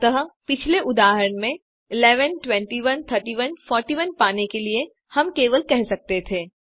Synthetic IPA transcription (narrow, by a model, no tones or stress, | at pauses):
t̪ɐɦəpɪt͡ʃʰleʔʊd̪aːɦəɾəɳ̃mẽ | ɪlɛːʋənʈwɛ̃ɳʈiʋənt̪ʰəɾʈiʋənfɔːɾʈiːʋənpaːnekelie | hɐmkeːʋəlkɛɦsɐk̚t̪et̪ʰeː